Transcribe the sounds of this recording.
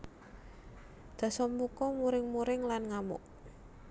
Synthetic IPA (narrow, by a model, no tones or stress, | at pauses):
d̪̥a̤sɔmbukɔmuɾɪŋmuɾɪŋlanŋamʊ̰ʔ